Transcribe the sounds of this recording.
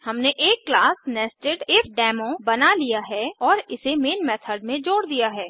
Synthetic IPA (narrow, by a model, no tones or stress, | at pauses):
hɐmneʔeːkːlaːsnɛːsʈeʈɪfʰɖɛːmõbɐnalijaɦɛɔːɾɪsemeːnmɛːt̪ʰəɾɖmẽd͡ʒoːɽd̪ijaɦɛː